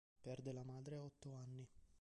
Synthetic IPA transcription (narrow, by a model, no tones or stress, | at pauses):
pɛrd̪elamaːd̪ɾeɔt̪ːoanːi